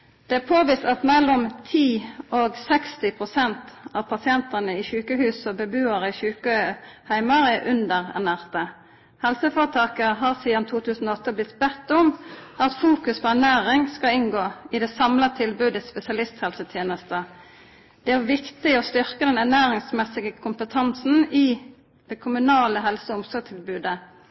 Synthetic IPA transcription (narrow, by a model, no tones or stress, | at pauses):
d̪̥ɛæːpʰoːʋist̪ɑt̪mɛlːɔmt̪ʰiːoːɡsɛkst̪ɪpʰʁʊsɛnt̪ɑʋpʰɑsɪɛnt̪ənəɪʃʉːkəhʉːsɔbəbʉːɑʁəɪçʉːkəhæɪmɑʁəʔʉnd̪əʁɛ̰ʁnæːʁt̪ə | hɛlsəfoːʁət̪ʰɑːkəɦɑːʁsiːd̪ɑnt̪ʰuːt̪ʰʉːsən̩oːɔt̪ːəblɪt̪ːbɛt̪ːʊmɑt̪fuːkʉspʰoæʁnæːʁɪŋskɑɪŋɡoːɪd̪ɛsɑmlɑt̪ʰɪlbʉːd̪əspɛsɪɑlɪst̪hɛlsət̪ʰjeːnəst̪ə | d̪̥ɛæʁʋɪkt̪ɪɔst̪ʏʁkəd̪ɛnæʁnæːʁɪŋsmɛsɪɡəkʰʊmpət̪ʰɑnsn̩ɪ | d̪̥ɛkʰʊmʉnɑːləɦɛlsɔʊmsɔːɾɡ̚t̪ʰɪlbʉːd̪ə